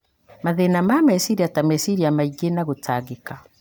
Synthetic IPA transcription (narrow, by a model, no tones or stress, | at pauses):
maðenamamɛsiɾiatamɛsiɾiamaiɡenaɣotʰaɣeka